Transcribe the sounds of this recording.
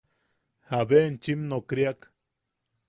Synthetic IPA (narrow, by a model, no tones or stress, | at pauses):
habent͡ʃimnokɾjak